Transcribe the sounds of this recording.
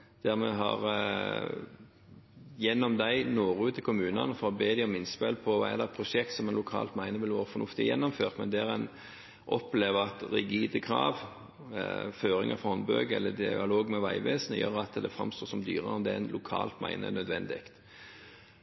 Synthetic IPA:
d̪̥æʁmɛɦɑʁ | jɛnːɔmd̪æɪnoːʁʉːt̪ʰɪlkʰʊmʉːnɑnəfɔɾɔbeːd̪ɪɔmɪnspelpʰɔʋɑ̰ɛ̰d̪ɛt̪pʰɾʊʂɛk̚t̪sɔmɛnlʊkʰɑ̰ːlt̪mæɪnəʋɪlʋoːɾəfɔnʊft̪ɪjɛnːɔmføːʁt̪mɛnd̪æʁɛn | ʔɔpleːʋəʁɑt̪ʁɛɡiːd̪əkʰɾɑ̰ːʋ | føːɾɪ̰ŋɑfɔɔnbø̰ɡɛlːəd̪ɪɑloːɡmɛʋæɪʋeːsənəjø̰ːʁɑt̪d̪ɛfɾɑ̰mst̪oːsɔmd̪y̰ːʁəɔmd̪ɛnlʔʊkʰɑ̰ːlt̪mæ̰ɪnə̰nœd̪ʋɛnd̪ɪkt̪

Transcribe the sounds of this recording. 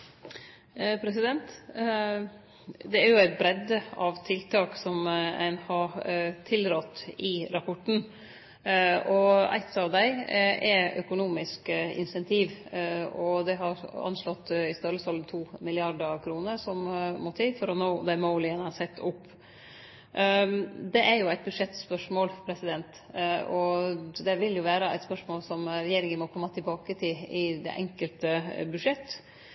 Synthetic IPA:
pʰɾɛsɪd̪ɛnt̪ | d̪ɛæɾjʊæɪt̪̚bɾɛd̪əɑʋt̪ʰɪlt̪ʰɑːksɔmæ̰ɪnhɑɾt̪ʰɪlɾɔt̪ːɪɾɑpʰɔʈːn̩ | ʔɔæ̰ɪt̪ːɑʋd̪æɪʔɛœ̰kʊnuːmɪskɪ̰nsɛnt̪ʰiːʋɔd̪ɛɦɑɾɑ̰nʂlɔt̪ːɪst̪ɑləsɔlt̪ʰuːmɪlɪɑɾɖ̪əkʰɾuːnəɾsɔmmɔt̪ʰiːfɔɾɔnoːd̪æɪmoːlɪənhɑsɛt̪ːʊpː | d̪ɛʔæɾjʊæɪt̪̚bʉʂɛt̪spœʂmoːlpʰɾɛsɪd̪ɛnt̪ | ɔd̪ɛʋɪljʊʋæːɾəæɪt̪spœʂmoːlsɔmɾɛjeːɾɪŋənmɔkʰɔmːɑt̪ʰɪlbɑːkət̪ʰɪlɪd̪ɛ̰ʔɛŋkəlt̪əbʉdʂɛt̪ː

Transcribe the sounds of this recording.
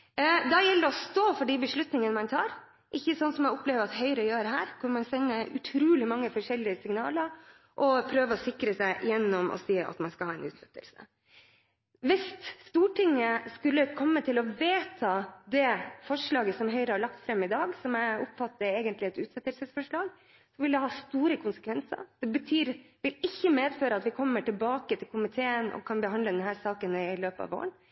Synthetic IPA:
d̪ɑjɛlːɾəɔst̪oːfɔɖibəʂlʉt̪nɪŋənəmɑnt̪ʰɑːɾ | ʔɪçːəsɔnsɔmjɛɪʊpleːʋəɾɑt̪hœʏɾəjøːɾɦæːɾkʰʊnmɑnsɛnːəʔʉ̰t̪ʰɾuːlɪmɑŋːəfɔʂɛlɪəsɪŋnɑ̰ːləɾ | ʔɔpʰɾøːʋəɔsɪkɾəsæɪʔɪjɛnːɔmʔɔ̰siːɑ̰t̪mɑnskɑlhɑːɛ̰ɪnʉ̰ːt̪sɛt̪ːə̰lsə̰ | ʋɪst̪st̪uːʈɪŋːəskʉlːəkʰɔmːət̪ʰɪlɔʋeːt̪ʰɑːd̪ɛfɔʂɭɑːɡəsɔmɦœʏɾəhɑɭɑk̚t̪fɾɛmːɪd̪ɑːɡsɔmæɪʊpfɑt̪ːəɾeːɡənt̪lɪɛt̪ʉːt̪sɛt̪ːəlsəsfɔʂɭɑːɡ | sɔʋɪld̪ɛhɑːst̪uːɾəkʰʊnsə̥kʋɛnsə̰ɾd̪̥ɛbət̪ʰyːɾʋɪlɪçːəmeːd̪føːɾəɑt̪ʋɪkʰɔmːəʈɪlbɑːkət̪ʰɪlkʰʊmɪt̪ʰeːənʔɔ̰kʰɑnbəɦɑnd̪ləd̪ɛnhæɾsɑːkənɪløːpəɑ̰ːʋo̰ːɾən

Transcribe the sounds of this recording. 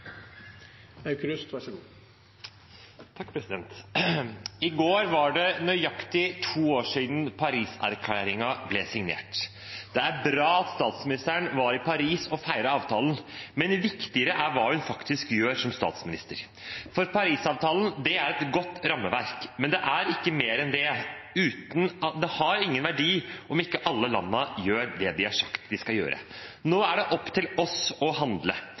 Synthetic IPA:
ɑkɾʉst̪ʋɑʂɡː | t̪ʰɑkːpʰɾɛsɪd̪ɛnt̪ | ɪɡoːɾʋɑɖɛnœʏjɑkt̪ɪt̪ʰuːoːʂiːd̪n̩pʰɑɾiːsæ̰ɾkʰleːɾɪŋɑblɛsɪŋnḛːʈ | d̪̥ɛæɾbɾɑːɑt̪st̪ɑːt̪smɪnɪst̪əæɳʋɑɾɪpʰɑɾiːsɔfæɪɾɑɑːʋt̪ʰɑːln̩mɛnʋɪkt̪ɪəɾəʔæɾʋɑːhʉnfɑkt̪ɪskjøːɾsɔmst̪ɑ̰ːt̪smɪnɪst̪əɾ | fɔɾpʰɑɾiːsɑːʋt̪ʰɑːlnd̪ɛæɾɛt̪ɡɔt̪ːɾɑmːəʋæɾkmɛnd̪ɛʔæɾɪkːəmeːɾɛnd̪ɛʉːt̪nɑt̪d̪ɛhɑɾɪŋːənʋæɖiːʔɔmɪkːəʔɑlːəlɑ̰nːəjøːɾd̪ɛd̪ɪæʂɑkt̪d̪ɪskɑljø̰ːɾʔə̰noːæɖɛʔɔpːt̪ʰɪlɔsɔɦɑnd̪lə

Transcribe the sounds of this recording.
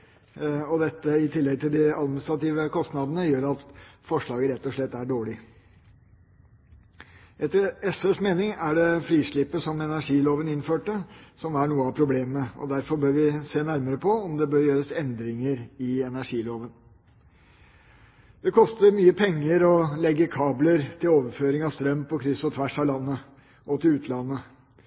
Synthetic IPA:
ɔd̪ɛt̪ːəɪt̪ʰɪlːɛɡ̚t̪ʰɪld̪ɪɑd̪mɪnɪst̪ɾɑt̪iːʋəkʰɔst̪nɑd̪ənəjøːɾɑt̪fɔʂɭɑːɡəɾɛt̪ːɔʂɭɛt̪ːæɖoːɭɪ | ʔɛt̪ːəɾɛsɛsmeːnɪŋæɖɛfɾiːʂɭɪpːəsɔmɛnæʂiːloːʋənɪnføːʈəsɔmæɳuːəɑpʰɾʊbleːməɔ̰d̪æɾfɔɾbøːɾʋɪseːnæɾməɾəpʰɔɔmd̪ɛbøːɾjøːɾəsɛnd̪ɾɪŋəɾɪɛnæʂiːloːʋən | d̪ɛkʰɔst̪əɾmyːəpʰɛŋːəɾɔlɛɡːəkʰɑːbləɾt̪ʰɪloːʋəɾføːɾɪŋɑʋst̪ɾœmpʰɔkʰɾɪsɔt̪ʰʋæʂɑlɑnːə | ʔɔt̪ʰɪlʉːt̪ʰlɑnːə

